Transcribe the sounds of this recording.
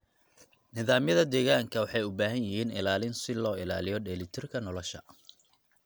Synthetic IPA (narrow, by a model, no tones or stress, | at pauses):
nɪðaːmjɐðɐd̪ɛːɣaːŋkʰɐwɑħɑjʊbaːɦɐnjɪɦiːnɪ̰laːlɪnsɪlɔːɪla̰ːlɪjɔɖɛlɪt̪ʰɪrkʰɐnɔlɔʃɐ̰